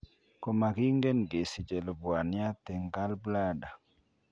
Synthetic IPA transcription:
ko˨ma˨ɡi˦ŋɡe˦nɡe˨si˨d͡ʒɛ˨lo˨bwa˨nja˦t̪ɛ˨ŋɡa˦lbla˦da˨

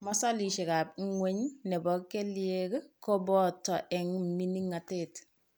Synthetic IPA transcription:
mɔ˦sa˦li˨ʃɪ˨ka˨p̚ŋwe˦ɲnɛ˨bɔ˨kːe˦lje˦kkɔ˦bɔ˦tːɔ˨ʔɛ˨ŋmi˦ni˦ŋa˨tet

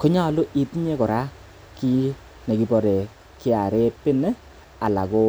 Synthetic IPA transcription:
ko˦ɲa˦˨lʊ˦ʔi˨tɲe˦kɔ˨ɾa˦ | ki˦ | ne˨ki˨bɔ˨ɾe˨ | ki˦a˨ɾe˦pɪ˦n˦ | a˨la̰˨ko˦

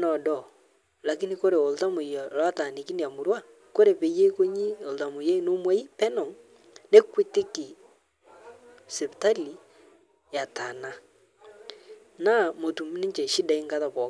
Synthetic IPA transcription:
nɔ˨dɔ˨ | la˨ki˦ni˦ko˦ɾe˨o˨lta˦mo˨jɔ˨lwa˦ta˨ne˨ki˦ne˨a˨mo˨ɾwa˦ | ko˦ɾe˨pe˨je˦ko˦ɲi˦o˨lta˨mo˨je˦no˦mwɛ˦i˦pɛ˦nɔ˨ŋ | ne˦kwe˦te˦ki˨ | sɛ˨pi˨ta˦li˨ | ja˨ta˨na˦ | na˦mo˨tu˨mu˦ni˦t͡ʃɛ˨ʃi˦da˨i˦ŋɡa˦ða˨βwɔ˨

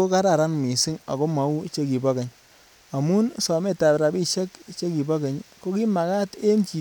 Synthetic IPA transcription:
o˦ka˦ɾa˨ɾa˦nmi˨sɪ˦ŋa̰˨ko˦ma˨˦u˦t͡ʃe˦ki˨bɔ˦ke˨ɲ | a˨mu˦nsɔ˨me˦˨ta˨pɾa˨bi˦ʃe˦kt͡ʃe˦ki˨ba˦ke˨ɲko˦ki˦ma˨ka˦te˦nt͡ʃi˨

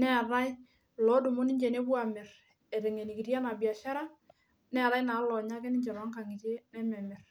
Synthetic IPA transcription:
nɛ˦˨ɾa˦j | lɔ˨˦du˨mʊ˦nɪ˦d͡ʒɛ˨ne˦bwa˨mɪ˨r | ɛ˨ɾɛ˨ŋɛ˨ni˨ki˨ɾja˦na˨bja˨ʃa˦ɾa˦ | nɛ˦˨ɾa˦jnaː˨˦lɔ˨ɲa˦kɛ˦nɪ˦ɲd͡ʒɛ˨ɾɔ˨˦ŋka˨ŋɪ˨t͡ʃe˦nɛ˦mɛ˨mɪ˨r

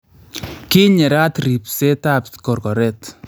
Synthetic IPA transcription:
ki˦ɲɛ˨ɾa˦t̪ɾi˨pse˦ta˦pkɔ˨ɾkɔ˨ɾɛ˦t

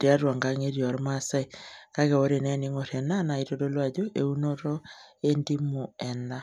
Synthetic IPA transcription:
te˦a˦ɾwa˨ŋɡa˦ŋe˦ɾjɔ˨ɾma˦sa˦i˨ka˦ɣɛ˨o˦ɾe˨nɛ˦ni˦ŋo˨ɾɛ˨na˦na˨i˨ɾo˦ɾo˦lwa˦d͡ʒo˦ʔe˦u˦no˦ɾɔ˦ | e˦ndi˦mu˨ɛ˨na˦

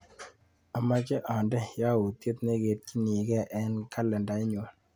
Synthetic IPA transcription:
a˨ma˦kɛ˦ʔa˨ndɛ˦ja˦wu˨t̪je˦t̪ne˦ɡe˨t̚ki˦ni˨ɡɛ˦ʔɛ˦nka˦lɛ˨nda˨ɪ˦ɲo˨n

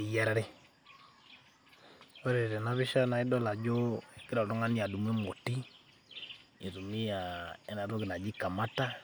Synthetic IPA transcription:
i˨ja˦ɾa˦ɾe˦ | o˦ɾe˨ɾɛ˨na˦βi˦ʃa˦na˨i˦dɔ˦la˨d͡ʒo˦˨ki˦ɾɔ˨ɾɔ˦ŋa˦ni˦a˨du˨m˦e˦mo˨ti˦ | i˨ɾu˨mi˦ja˨ɛ˦na˨ɾo˦ɡi˨na˨d͡ʒi˦ka˨ma˦ta˦

